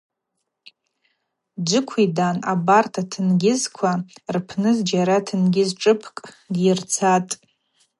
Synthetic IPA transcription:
d͡ʒʷɨkʷʰidanabartʰatʰɨnɡʲɪzkʷʰarpʰnɨzd͡ʒaɾatʰɨnɡʲɪzʈ͡ʂʼɨpʰkʼ | dirt͡sʰatʼ

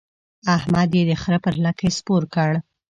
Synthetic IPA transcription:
ahmad̪jed̪əxɾəpəɾlakʰespoɾkəɽ

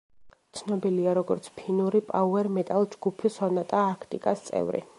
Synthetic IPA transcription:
t̪sʰnɔbiliaɾɔɡɔɾt̪sʰpʰinuɾipʼauɛɾmɛt̪ʼalˠd͡ʒɡupʰisɔnat̪ʼaːkʰt̪ʼḭkʼast̪sʼɛ̰vɾḭ

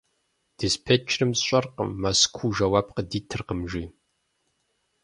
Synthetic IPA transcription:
d̥ɨspʰɛt͡ʃʰrɨmsɕʷʼɐrqə̰mːaskʷʰuːʒɐwaːb̚qədiːtʰɨrqəmʒi

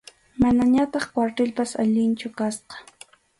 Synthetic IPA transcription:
manaɲat̪ɑχkwaɾt̪ɪlpasaʎɪnt͡ʃʊkasqɑ̥

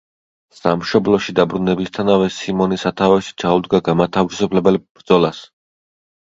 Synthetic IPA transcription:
samʃɔblˠɔʃid̪abɾunɛbist̪ʰanavɛsimɔnisat̪ʰavɛʃi̥t͡ʃʰaud̪ɡaɡamat̪ʰavisupʰlɛbɛlb̥ɾd̪zɔlˠas

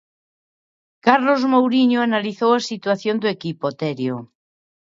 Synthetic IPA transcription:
kaɾlozmowɾiɲoanaliθowasit̪waθjond̪oekipot̪ɛɾjo

